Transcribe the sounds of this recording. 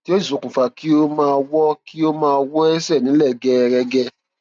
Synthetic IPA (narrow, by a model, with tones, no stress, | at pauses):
ti˦o˦˨zu˨kũ˨fa˨ki˦o˦mãː˧wɔ˦ki˦o˦mãː˧wɔ˦ɛ˦sɛ˦˨nĩ˨˦lɛ˦˨ɡɛ˧ɾɛ˧ɡɛ˧